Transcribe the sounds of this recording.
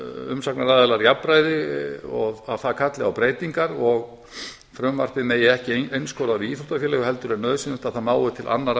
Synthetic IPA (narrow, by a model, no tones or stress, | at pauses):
ʏ̰msaknaɾaːðɛlaɾjapːɾaːjðɪɔɣaðθaðkʰat̪lɪawpɾeːjt̪iŋkaɾɔɣ | fɾʏmvar̥t̪ɪmɛðjɛɛhcɪejnskʰɔɾaɾiiːθul̥t̪afjɛːlɛːɣʏɦɛlt̪ʏɾɛnœðʏsɪnʏmt̪aðθanaːwɪt̪ʰɪlʔa̰nːaɾ